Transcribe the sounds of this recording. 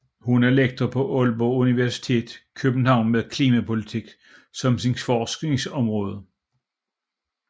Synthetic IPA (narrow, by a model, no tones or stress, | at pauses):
hunæɐleɡ̥̚d̥ʁɐpʰɒ̽ʔɔlb̥ɔuniʋæɐsi̥t͡sʰe̝̰ːd̥ˠkʰøb̥n̩hɑ̈ʊ̰nmeðˠkʰliːmæpʰo̝lit͡sʰiɡ̥ | sɒ̽msinfɒːsɡ̥ne̝ŋsɒ̽mʁɔ̽ːð̞ˠə